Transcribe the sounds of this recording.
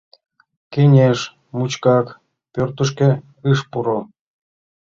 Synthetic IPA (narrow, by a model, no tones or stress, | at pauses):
kenʲeʃ | mut͡ɕkɑk | pʲørt̪əʃ̬kĕ | ɨʃpuɾo